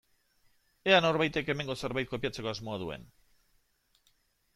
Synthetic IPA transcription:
e̞ano̞ɾβajt̪e̞ke̞me̞ŋɡose̞ɾβajt̪̚ko̞piat͡se̞ko̞azmo̞að̞ue̞̰n

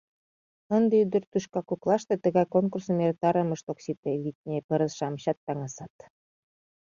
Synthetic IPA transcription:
ənd̪ĕyd̪ɘ̆rt̪uʃkɑkuklˠɑʃt̪et̪ə̆ɣɑjkoŋkursɤ̆meɾt̪ɑɾə̆mə̆ʃt̪oksit̪ĕβit̪̚ʲnʲepə̆ɾə̆sʃɑmɕɑt̪̚ːɑŋɑsɑt̪

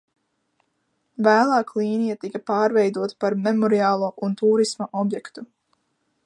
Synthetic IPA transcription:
væːlˠɑːklˠiːnijat̪ikapɑːɾvɛjd̪uɔt̪ḁpaɾmɛmɔɾiaːlˠuɔʔunt̪uːɾismaʔɔbjɛkt̪u

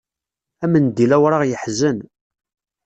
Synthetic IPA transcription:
æmənd̪ilæwɾˤaʁjəħzən

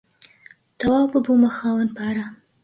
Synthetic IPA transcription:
t̪awɑpəbumaxɑwanpaaɾa

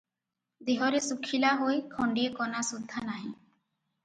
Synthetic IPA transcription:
d̪eɦɔɾesukʰilaɦojkʰɔɳɖiekɔnasud̪ʱːanaɦĩ

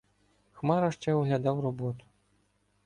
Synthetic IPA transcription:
xmaɾɐʂt͡ʂɛwɣlʲad̪awrɔbɔt̪u̥

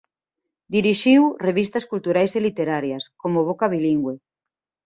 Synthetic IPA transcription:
d̪iɾiʃiwreβ̞ist̪ɐskult̪uɾajselit̪eɾaɾjaskomoβ̞okaβ̞iliŋɡwe

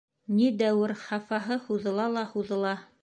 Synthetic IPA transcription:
nid̪æwɘɾχɑfɑɦɤhuðɤ̆lˠɑlˠɑhuðɤ̆lˠɑ

